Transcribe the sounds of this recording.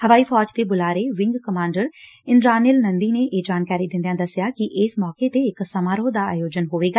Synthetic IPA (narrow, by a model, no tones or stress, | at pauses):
həʋaːiːpʰɔːd͡ʒt̪eːbʊlaːɾeːʋɪ̃ŋɡkəmãːɳɖəɾ | ɪnɾaːnɪlnənd̪iːneːʔeːd͡ʒaːnkaːɾiːd̪ɪnd̪ejãːd̪əsːɪjaːkɪʔɪːsmɔːkeːt̪eːɪksəmaːɾoːd̪aːa̰ːjoːd͡ʒənɦoːʋeːɡaː